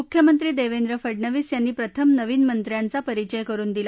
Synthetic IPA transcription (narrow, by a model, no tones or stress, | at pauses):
ukʰjəmənt̪ɾiːd̪eʋend̪ɾəfəɖɳəʋiːsjanːiːpɾət̪ʰəmnəʋiːnmənt̪ɾjant͡sapəɾit͡ɕəjkəɾuːnd̪ila